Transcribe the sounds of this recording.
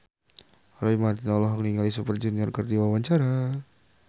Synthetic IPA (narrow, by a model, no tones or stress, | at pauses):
ɾoimart̪inalɔɦaŋniŋɡalisupərd͡ʒəniarkərdiwawaɲt͡ʃaɾa